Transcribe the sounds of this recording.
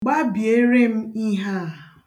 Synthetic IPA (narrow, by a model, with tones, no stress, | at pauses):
ɡ͡ba˦bje˦ɾe˦m̩˦i˦ɦa˦˨